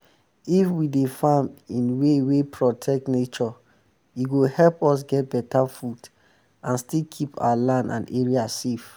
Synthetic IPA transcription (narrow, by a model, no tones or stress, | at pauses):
ifwidefãmĩnwewepʰɹɔtʰɛk̚tnet͡ʃɔ | jiɡohɛlpɔs̬ɡɛt̚bɛtafud | ãnstilkʰipa̰walãndã̰neɹiasef